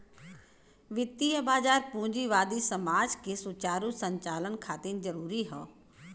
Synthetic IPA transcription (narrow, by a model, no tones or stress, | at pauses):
ʋɪt̪iəbaːd͡ʒaːɾpũːɲd͡ʒiʋaːd̪isɐmaːd͡ʒkesʊt͡ʃaːɾusə̃ɲt͡ʃaːlənkʰaːt̪enzɐɾuːɾiɦɔː